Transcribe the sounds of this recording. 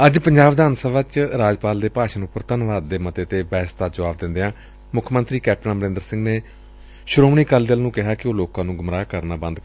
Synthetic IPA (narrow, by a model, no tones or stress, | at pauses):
əd͡ʒpəɲd͡ʒaːʋd̪ʱaːnsəʋaːt͡ʃɾaːd͡ʒpaːld̪eːpaːʃənʊpːəɾt̪ənʋaːd̪ːeːmət̪eːt̪eːbɛːst̪aːd͡ʒəʋaːbd̪ɪ̃nd̪eːãː | mʊkʰːmənt̪ɾiːkɛːp̚ʈənːməɾɪ̃ːnd̪əɾsɪ̃ŋɡneː | ʃʊɾoːmɳiːkəld̪əlnũːkɪɦaːkɪoːloːkãːnũːɡʊmɾaːkəɾnaːbə̃nd̪